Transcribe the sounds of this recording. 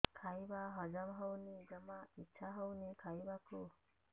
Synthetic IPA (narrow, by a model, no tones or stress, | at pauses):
kʰajbaɦɔd͡ʒɔmɦɔwnid͡ʒəmãitːʃʰaɦɔwnikʰajbaku